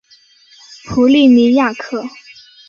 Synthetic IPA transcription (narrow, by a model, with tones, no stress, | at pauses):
pʰu˧˥li˥˩ni˧˥ja˥˧kʰɤ˥˩